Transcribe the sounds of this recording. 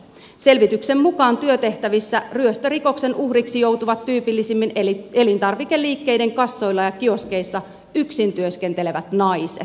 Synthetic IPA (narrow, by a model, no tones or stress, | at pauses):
se̞lʋit̪ykse̞mmukɑːnt̪yøt̪e̞ht̪æʋisːæryøst̪øriko̞kse̞nuhriksijo̞wt̪uʋɑt̪ːyːpilːisimːine̞lint̪ɑrʋikelːiːkːe̞jde̞ŋkɑsːo̞jlːɑjɑkio̞ske̞isːɑ | yksint̪yøsk̟e̞nt̪ele̞ʋæt̪nɑisḛt̪